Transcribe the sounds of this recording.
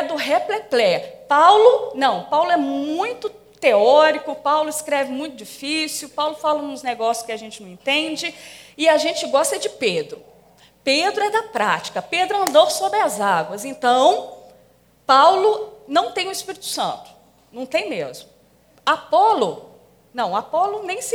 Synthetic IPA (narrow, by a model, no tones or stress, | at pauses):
d̪ʊɦɛplɛplɛpawlʊnɐ̃w̃pawlʊɛmmũj̃t̪ʊ | t̪eɔɾikʊpawlʊɪskɾɛvɪmũj̃t̪ʊd͡ʒifisiwpawlʊfalɐũd̪ʊzneɡɔsjʊ̥skɪaʒẽnt͡ʃɪnɐ̃w̃ẽnt̪ẽd͡ʒɪɪaʒẽnt͡ʃɪɡɔst̪ɐd͡ʒɪped̪ɾʊ | ped̪ɾʊɛd̪ɐpɾa̰t͡ʃi̥kɐped̪ɾʊɐ̃nd̪owsobɾɪɐzaɡwɐzẽt̪ɐ̃w̃ | pawlʊnɐ̃w̃t̪ẽj̃ʊɪspiɾit̪ʊ̥sɐ̰̃nt̪ʊ̥ | nɐ̃w̃t̪ẽj̃mḛzmʊ | apɔlʊ | nɐ̃w̃apɔlʊnẽj̃sɪ